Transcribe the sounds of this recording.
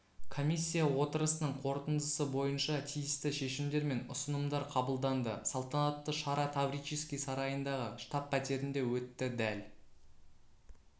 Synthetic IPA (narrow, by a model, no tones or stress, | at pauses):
kʰo̞mʲijsʲːijawo̞t̪əɾəsənəɴqʰo̞ɾt̪ənd̪əsəbo̞jənʃɑt̪ʰijɪst̪ɪʃe̞ʃɪmd̪e̞ɾme̞nʊ̰sənəmd̪ɑɾqʰɑbəlˠd̪ɑnd̪əsɑlˠt̪ɑnɑt̪ːəʃɑɾɑt̪ʰabɾijt͡ʃiskʲijsɑɾɑjənd̪ɑʁəʃt̪ɑpʰːæt̪e̞ɾɪnd̪e̞wɵt̪ːɪd̪æl